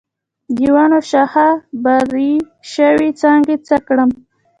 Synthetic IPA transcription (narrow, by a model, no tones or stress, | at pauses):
d̪iwɑnoʃahabaɾi | ʃəwit͡sɑŋɡet͡səkɽəm